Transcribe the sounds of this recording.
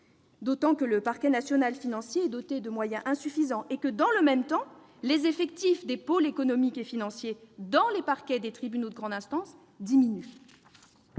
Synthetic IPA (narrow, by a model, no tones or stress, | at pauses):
d̪ot̪ɑ̃kələpaʁkʲɛnasjɔnalfinɑ̃sjeɛd̪ɔt̪ed̪əmwajɛ̃ʔɛ̃syfizɑ̃ʔekəd̪ɑ̃ləmɛmt̪ɑ̃ | lezefɛk̚t̪ifd̪epolekɔnɔmikefinɑ̃sjed̪ɑ̃lepaʁkʲɛd̪et̪χibynod̪əɡʁɑ̃d̪ɛ̃st̪ɑ̃s | d̪iminy